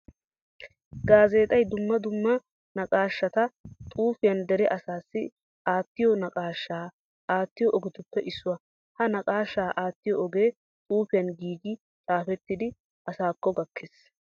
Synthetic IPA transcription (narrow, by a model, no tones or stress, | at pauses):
ɡaːze̞ːt̪ʼɐjd̪ʊmːɐd̪ʊmːɐ | nɐkʼaːʃːɐt̪ɐt̪ʼuːfɪjɐnd̪ɛɾɛʔɐsaːsːɪ | aːt̪ːɪjɔnɐkʼaːʃːaː | aːt̪ːɪjɔʔɔɡɪt̪ʊpːɛʔɪsːʊwɐ | hɐnɐkʼaːʃːaːʔaːt̪ːɪjɔɔɡeː | t̪ʼuːfɪjɐnɡiːɡɪ | t͡sʼaːfɛt̪ːɪd̪ɪ | ɐsaːkːɔɡɐkʰːeːs